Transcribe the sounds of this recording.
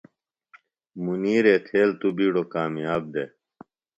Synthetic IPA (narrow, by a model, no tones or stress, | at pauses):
muniːɾeːt̪ʰeːlt̪ubiːɽoːkaːmijaːb̚d̪eː